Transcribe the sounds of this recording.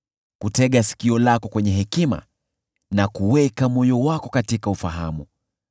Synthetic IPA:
kutɛɠasi̥kiɔlakɔkwɛɲɛɦɛkima̰ | nakuwɛkamɔjɔwakɔkatikaufaɦamu

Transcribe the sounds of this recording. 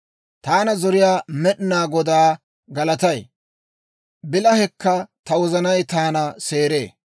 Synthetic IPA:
t̪aːnɐzɔɾɪjaːmɛɗɪnaːɡɔd̪aː | ɡɐlɐt̪ɐj | bɪlɐhɛkːɐt̪ɐwɔzɐnɐjt̪aːnɐseːɾe̞ː

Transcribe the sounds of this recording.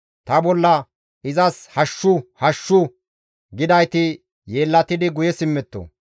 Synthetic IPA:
t̪ɐbɔlːɐ | ɪzɐshɐʃːʊhɐʃːʊ | ɡɪd̪ɐjt̪ɪ | je̞ːlːɐt̪ɪd̪ɪɡʊjɛsɪmːɛt̪ːo̰

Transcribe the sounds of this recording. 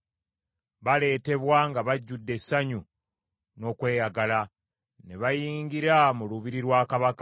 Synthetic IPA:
βale̞ːte̞βwaŋɡaβaɟːudːe̞sːaɲu | no̞ːkwe̞ːjaɡala | ne̞βajiːŋɡiɾamuluβiɾiɾwaːkaβaka

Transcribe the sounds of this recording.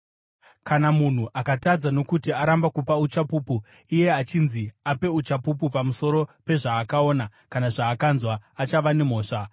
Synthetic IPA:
kanamun̤uʔakatad͡zano̞kutiaɾambakupaut͡ʃapuːpu | ije̞at͡ʃinziape̞ut͡ʃapup̬upamuso̞ɾo̞pe̞ʐaːkao̞ːnakanaʐaːkanzwaat͡ʃaʋane̞m̤o̞ːʂa

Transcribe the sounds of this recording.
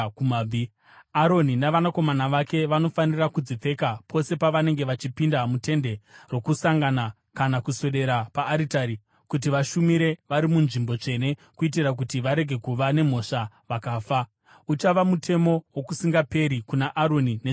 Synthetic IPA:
umːbʱi | aɾo̞ninaʋanako̞manaʋake̞ʋano̞fanirakud͡zip͡fe̞kapʰo̞se̞paʋane̞ŋɡe̞ʋat͡ʃipindamute̞nde̞rwo̞kusaŋɡana | kanakuso̞ɗe̞ɾapaːɾitaɾi | kut̬iʋaʃumiɾe̞ʋaɾimunʐimbo̞t͡ʂe̞ne̞kuit̬iɾak̬utiʋaɾe̞ɡʱe̞kuʋane̞m̤o̞ʂa | ʋakaːfa | ut͡ʃaʋamutʰe̞mo̞wokusiŋɡape̞ɾikunaʔaɾo̞nine

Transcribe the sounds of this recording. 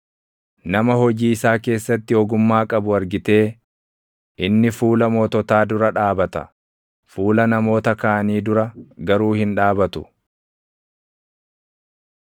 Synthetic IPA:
nɐmɐɦɔd͡ʒiːɪsaːke̞ːsːɐt̪ːɪɔɡʊmːaːkʼɐbʊɐɾɡɪt̪e̞ː | ʔɪnːɪfuːlɐmɔːt̪ɔt̪aːd̪ʊɾɐᶑaːbɐt̪ɐ̰ | fuːlɐnɐmo̞ːt̪ɐkaʔɐniːd̪ʊɾɐɡɐɾuːhɪnᶑaːbɐt̪ʊ

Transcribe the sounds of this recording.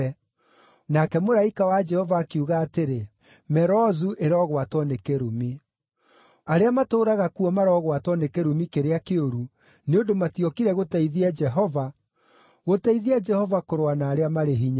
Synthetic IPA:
nakɛmoɾaikawad͡ʒɛhɔvaːkeuɣaːteɾe | mɛɾɔzuʔeɾɔɣwatwɔnekeɾumi | aɾeamatoːɾaɣakuɔmaɾɔɣwatɔnekeɾumikeɾeakeoɾu | neondomatiɔkiɾɛɣotaiðiad͡ʒɛɦɔva | ɣotaiðiad͡ʒɛhɔvakoɾowanaːɾeamaɾeɦiɲa

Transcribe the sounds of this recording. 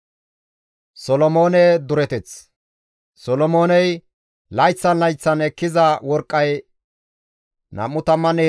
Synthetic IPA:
sɔlɔmo̞ːnɛd̪ʊɾɛt̪ɛt͡s | sɔlɔmo̞ːnɛj | lɐjt͡sːɐnlɐjt͡sːɐnɛkːɪzɐwɔɾkʼːɐj | nɐ̰mːʊt̪ɐmːɐneː

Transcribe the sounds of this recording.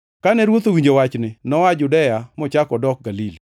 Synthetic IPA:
kanɛɾwot̪owiɲd͡ʒowat͡ʃnɪnɔad͡ʒʊdɛjamɔt͡ʃakɔdɔk̚ɡalili

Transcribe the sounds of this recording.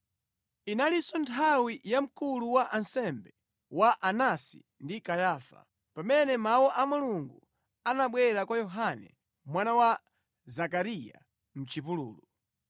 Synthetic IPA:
inalisɔntʰawijam̩kuluwaʔansɛmbɛ | waʔanasḭ | ndikajaːfa̰ | pamɛnɛmawɔʔamuluŋɡu | anaɓwɛɾakwajɔɦanɛ̰ | mwanawa | zakaɾija̰ | m̩t͡ʃipulṵːlu

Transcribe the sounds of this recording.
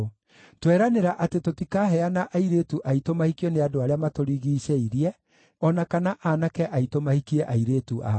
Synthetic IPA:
twɛɾaneɾaʔatetotikaɦɛanaʔaiɾeːtuʔaitomahikiɔneadoaɾeamatoɾiɣiːʃɛiɾiɛ | ɔnakanaʔanakɛʔaitomahikiɛʔaiɾeːtuʔa̰

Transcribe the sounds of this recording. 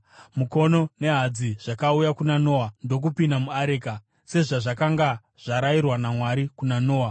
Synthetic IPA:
muko̞no̞ne̞ɦad͡ziʐ̥akaujakunano̞wando̞k̬upindamuaɾe̞ːka | se̞ʐaʐakaŋɡa | ʐ̥aɾairwanamwaɾikunano̞ːwa

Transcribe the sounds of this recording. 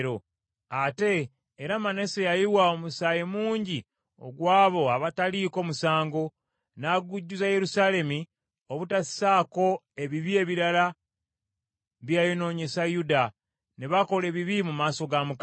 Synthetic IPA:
ɾo | ate̞ː | ɾamane̞sejajiwaomusaːjemuːɲɟi | o̰ɡwaːβo̞aβataliːko̞ːmusaːŋɡo̞ | naɡuɟːuzaje̞ɾusale̞mi | oβutasi̥saːko̞ | e̞βiβie̞βiɾala | βjajono̞ːɲe̞sajuda | neβako̞le̞βiβimumaːso̞ɡamuk

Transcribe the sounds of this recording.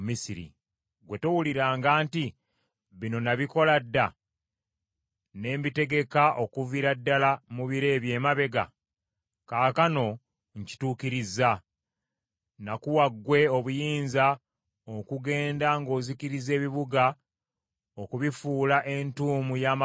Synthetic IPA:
misiɾḭ | ɡwe̞to̞wuliɾaːŋɡaːnti | βino̞naβiko̞ladːa | ne̞ːmbite̞ɡe̞kaʔo̞kuviɾadːalamuβiɾe̞ːβje̞ːmaβe̞ɡa̰ | kaːkano̞ | ɲci̥tuːkiɾizːa | nakuwaɡwe̞o̞βujiːnza | okuɡe̞ːndaŋɡo̞ːzikiɾize̞ːβiβuɡa | okuβifuːlaʔe̞ntuːmujaːma

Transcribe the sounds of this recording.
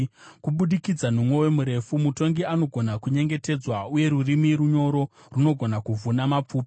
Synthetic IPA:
kuɓuɗikid͡zan̤umwe̞we̞muɾe̞fumuto̞ŋɡiano̞ɡʱo̞nakuɲe̞ŋɡe̞te̞d͡zwauje̞ɾurimiɾuɲo̞ɾo̞ | runo̞ɡʱo̞nakuvunamap͡fuːp

